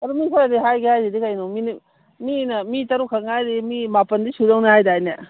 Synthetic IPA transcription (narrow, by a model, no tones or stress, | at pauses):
ɐdumikʰojadiɦajɡehajzidikajnomini | minɐmitɐɾukʰaŋajdimimapɐndisudawnɐhajdaːjnɐ